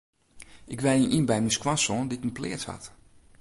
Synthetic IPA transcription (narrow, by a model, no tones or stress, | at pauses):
ʔɪkʋɛninʔinbɛjmiskwansɔndiɪkənplɪ̰ːtha̰t